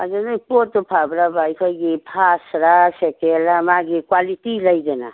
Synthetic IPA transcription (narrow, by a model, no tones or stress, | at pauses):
ad͡ʒɔnajpotɔpʰabɾabajkʰɔjɡipʰasɾasekelamaɡikwalitilajdena̰